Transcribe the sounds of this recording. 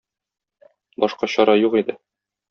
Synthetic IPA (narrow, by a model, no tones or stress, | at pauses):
bɒʃqɑɕɒɾɑjuqid̪ɘ